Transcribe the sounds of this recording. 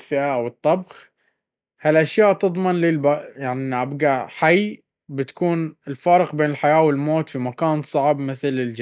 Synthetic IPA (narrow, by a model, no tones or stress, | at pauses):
fɪʔaʔawɨt̪ˤːɑbx | halʔaʃjaːʔt̪ɨd̪ˤmɪnliːlbajaʕniʔabɡaħaj | bɪt̪ḁkuːnɪlfɑːɾɪqbeːnɪlħajaːwɪlmoːt̪fimakaːnsˤɑʕbmɪθlɪld͡ʒ